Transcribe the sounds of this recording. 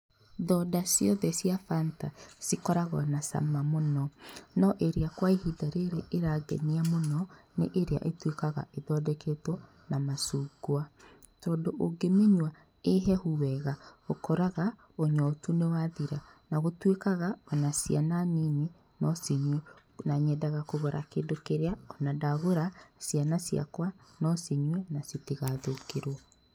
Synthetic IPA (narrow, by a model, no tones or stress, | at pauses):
ðɔdasjɔðɛsiafantasikɔɾaɣɔnasa̰mamonɔnɔʔeɾeakwaehidaɾeɾeʔeɾaːɡɛ̰niamonɔneʔeɾea̰ʔetwekaɣa̰ʔeðɔdɛketɔ | namasuːɡwa | tɔːndoʔoɡemeɲwa | eɦɛhuwɛɣaokɔɾaɣa | oɲɔtunewaðiɾanaɣotwekaɣaɔnasiananine | nɔseɲwɛ | naɲɛdaɣakoɣɔɾʔa̰keːndokeɾeaɔnadaɣoɾasianasija̰kwanɔseɲwɛnaseteɣaðokeɾɔ